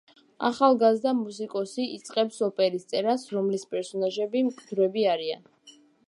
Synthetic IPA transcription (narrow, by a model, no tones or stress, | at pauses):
a̰χalˠɡazd̪amus̬ikʼɔsiːt̪sʼqʼɛpsɔpʼɛɾist̪sʼɛɾasɾɔmlispʼɛɾsɔnaʒɛbimkʼʰd̪ɾɛbiaɾia̰n